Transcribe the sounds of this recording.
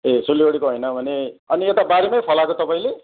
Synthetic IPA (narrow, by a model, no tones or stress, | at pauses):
esulioɽikoɦʌjnʌbʱʌneʌniet̪abaɾemʌjpʰʌlakot̪ʌpaĩle